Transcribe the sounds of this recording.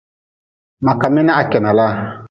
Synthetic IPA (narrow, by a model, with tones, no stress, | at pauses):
ma˨ka˨mɛ˦nɛ˦a˨kɛ˨na˨la˦